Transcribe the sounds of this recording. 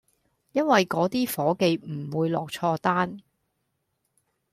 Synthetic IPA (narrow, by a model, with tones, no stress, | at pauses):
jɐ˥nwɐ˨jkɔː˨˥t̪iː˥fɔː˨˥ke˨˧jm̩˨˩wuː˨˧jlɔː˨k̚t͡ʃʰɔː˧t̪aː˥n